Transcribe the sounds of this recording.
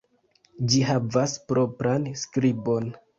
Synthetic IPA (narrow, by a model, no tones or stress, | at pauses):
d͡ʒiɦavaspɾo̞pɾanskɾibo̞n